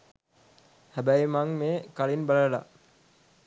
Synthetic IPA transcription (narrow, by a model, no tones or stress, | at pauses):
hæbæjmaŋmeːkalinbaləla̰ʔ